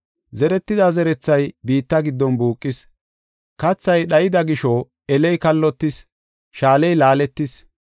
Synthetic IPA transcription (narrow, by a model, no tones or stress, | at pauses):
zɛɾɛt̪ːɪd̪ɐzɛɾɛt͡sːɐjbiːt̪ːɐɡɪd̪ːɔnbuːkʼːɪs | kɐt͡sːɐjɗɐjɪd̪ɐɡɪʃɔ | ɛlɛjkɐlːɔt̪ːɪs | ʃaːlɛjlaːlɛt̪ːɪs